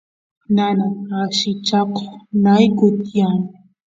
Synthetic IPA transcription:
nanaaʃɪt͡ʃako̥χnajkʊt̪jan

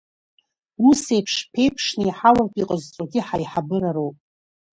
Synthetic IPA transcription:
use̞jpʰʂpʰe̞jpʰʂnɨiħawartʰʼiqʼəzt͡sʼoɡʲiħajħabɨɾaɾowpʼ

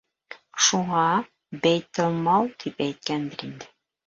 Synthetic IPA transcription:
ʃuɴɑ | bæjt̪ɤlˠmɑwt̪ipæjt̪̚kænd̪ɘɾind̪ɘ

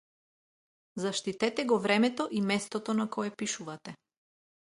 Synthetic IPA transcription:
zaʃt̪it̪ɛt̪ɛɡɔvɾɛmɛt̪ɔʔimɛst̪ɔt̪ɔnakɔɛpiʃuvat̪ɛ

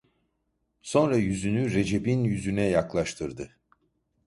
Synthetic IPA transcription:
so̞nɾajyzynyɾe̞d͡ʒe̞binjyzynɛjaklˠaʃt̪ʰɯɾd̪ɯ

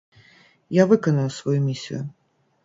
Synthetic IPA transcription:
javɨkɐnɐwsvɐjumʲisʲḭjʊ

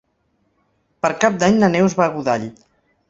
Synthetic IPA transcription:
pəɾkap̚d̪aɲnənɛwzβaɣuðaʎ

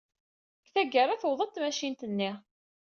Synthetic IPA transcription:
kθæɡːərˤæθowðˤət̪mæʃint̪ənːi

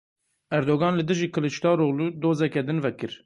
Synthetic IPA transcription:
æɾd̪oːɡɑːnlɨd̪ɨʒiːkʰɨlɨʃt̪ɑːroːluːd̪oːzɛkɛd̪ɨnvɛkɨɾ

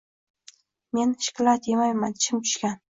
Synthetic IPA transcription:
menʃɪ̥kʲlɑt̪jemajmant͡ʃʰɪmkʲʰy̥ʃkʲan

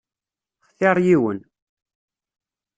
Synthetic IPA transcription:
χθɪɾˤjiwən

